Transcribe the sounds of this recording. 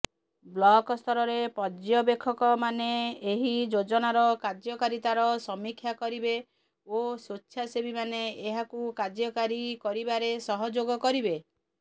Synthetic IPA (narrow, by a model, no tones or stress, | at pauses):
blɔkɔst̪ʰɔɾɔɾepɔd͡ʒjɔbekʰːɔkɔmaneːɦid͡ʒod͡ʒɔnaɾɔkad͡ʒjɔkaɾit̪aɾɔsɔmikʰːjakɔɾibe | osot͡ʃːʃʰjasebimaneeɦakukad͡ʒjɔkaɾikɔɾibaɾesɔɦɔd͡ʒoɡɔkɔɾibe